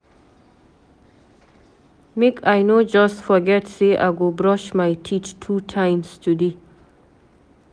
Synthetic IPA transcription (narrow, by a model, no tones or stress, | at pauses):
mekʰajnod͡ʒʌstfɔɡɛtseʔa̰ɡobɾɔʃmajtʰit͡ʃtʰutʰãɪ̃mstʰud̪i